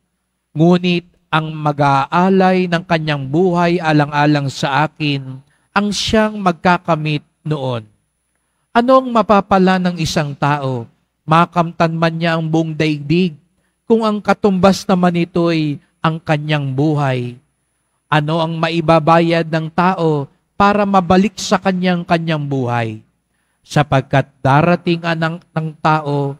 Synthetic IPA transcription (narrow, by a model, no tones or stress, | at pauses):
ŋuːnɪt̪̚ʔɐŋmɐɡaːʔaːlɐjnɐŋkɐɲːaŋbuːhɐjʔaːlɐŋʔaːlɐŋsɐʔaːkɪn | ʔɐŋʃaŋmɐɡ̚kakɐmɪt̪̚noʔo̞n | ʔɐno̞ɐŋmɐpaːpɐlanɐŋɪsaŋt̪aːʔo̞ | maːkɐmt̪ɐnmɐnɲaʔɐŋboʔŋd̪ɐɪɡ̚d̪ɪɡ̚ | kʊŋɐŋkɐt̪ʊmbɐsnɐmanɪt̪o̞j | ʔɐŋkɐɲjaŋbuːɦɐj | ʔɐno̞ʔɐŋmɐʔɪbabaːjɐd̪̚nɐŋt̪aːʔo̞ | paːɾɐmɐbɐlɪk̚sɐkɐɲaŋkɐɲjaŋbuːɦɐ̰j | sɐpɐɡ̚kat̪̚d̪aːɾɐt̪ɪŋɐnɐŋt̪aːʔo̞